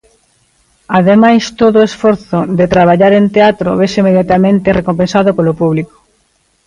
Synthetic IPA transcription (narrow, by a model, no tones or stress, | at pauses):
aðemajst̪oðoesfoɾθod̪et̪ɾaβaʎaɾent̪eat̪ɾoβesimeðjat̪amẽnt̪erekompẽnsaðopolopuβliko̥